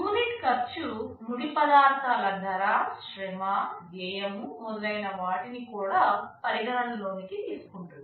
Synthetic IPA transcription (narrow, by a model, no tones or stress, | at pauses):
juːniʈkɐɾt͡ʃunuɽipɐd̪aːɾt̪ʰaːlɐd̪ʱɐɾaːʃɾɛmad̪ɛːjɐmumɔd̪ɐlɐjnɐʋaːʈinikuːɽaːpɐɾiɡɐɭɐnlo̞ːnikit̪iːsu̥kuɳʈund̪i